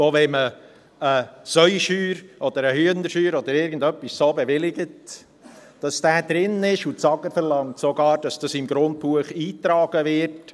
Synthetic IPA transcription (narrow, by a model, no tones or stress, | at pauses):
oːvɛmə | əsœʏʃyːɾʔɔd̥̪əɾəhyənəɾʃyːɾɔd̪əɾɪɾɡən̩dœpːissoːbɛʋɪlɪɡət | d̥ɑsd̥æːd̥̪ɾɪnɪʃutsɑɡ̥əfəɾlɑŋtsoɡɑːɾd̥ɑsd̥ɑsɪmɡɾʊnt̚puəχiːtɾɑːɡ̥əʋɪrt